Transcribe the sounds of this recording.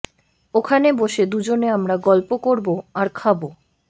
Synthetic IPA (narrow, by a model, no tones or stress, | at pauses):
okʰaneboʃed̪ud͡ʑoneamɾaɡɔlpokoɾboaɾkʰabo